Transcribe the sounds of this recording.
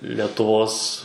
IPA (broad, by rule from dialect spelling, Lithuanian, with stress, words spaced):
lʲɛtʊˈʋoːs